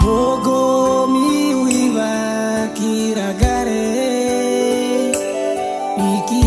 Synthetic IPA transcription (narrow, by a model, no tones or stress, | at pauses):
ɡoɡɔmiwiβa | ki | ɾaɡaɾe | miki